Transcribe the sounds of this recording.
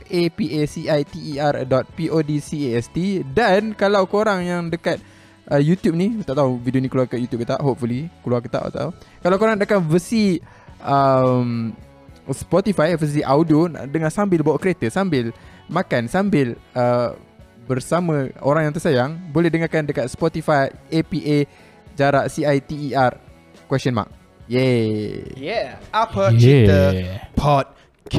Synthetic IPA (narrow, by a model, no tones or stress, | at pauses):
ʔepiʔesiʔajt̪iːardɔt̪̚piʔodisieɛst̪idankalawkoɾaŋjaŋdəkat̪̚ | ʔəjut̪jup̚nit̪aʔt̪auvidionikluaəkat̪jut̪jup̚kit̪aʔɦop̚fulikluarkit̪a̰ʔa̰ʔt̪a̰ukalawkoɾaŋdəkanvəsi | ʔəm | spɔt̪ifajvəs̬iʔaudiondəŋasambɪlbawaʔkəɾet̪əsambɪl | makansambɪlə | bərsamə̃oɾaŋjaŋt̪əsajaŋbolɛhdəŋarkandəkat̪̚spɔt̪ifajepiʔe | d͡ʒaɾaʔsiajt̪iːar | kwɛsɔnma̰k̚ | jɛ | jɛapəjɛəpʰɔt̪̚ | kʰ